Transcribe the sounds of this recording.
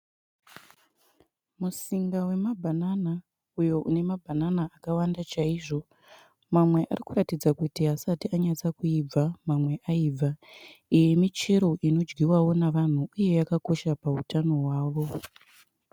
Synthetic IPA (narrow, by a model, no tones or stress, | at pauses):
musiŋɡawe̞mabʱanana | ujo̞ʔune̞mabʱananaːkawandat͡ʃaiʐo̞ | mamwe̞ʔa̰rikuratid͡zakutiɦasatiaɲat͡sakuib͡vamamwe̞ʔaiːb͡vʱaije̞mit͡ʃeɾo̞ʔino̞d͡ʒɡiwawo̞naʋan̤uuje̞jakako̞ʃapautano̞ɦwaːʋo̞